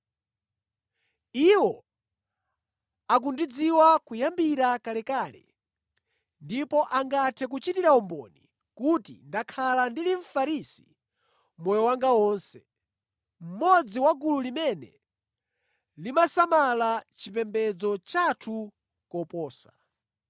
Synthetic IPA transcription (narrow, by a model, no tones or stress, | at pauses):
iwɔ | ak̬undid͡ziwakujambiɾakalɛkaːlɛ̰ | ndipɔʔaŋɡatʰɛk̬ut͡ʃitiɾaɔmbɔ̰ni | kutḭndakʰalandiliɱfaɾisi̥ | mɔjɔwaŋɡawɔːnsɛ | m̩mɔd͡ziwaɡululimɛnɛ̰ | limasamalat͡ʃipɛmbɛd͡zɔt͡ʃatʰu | kɔpɔːsa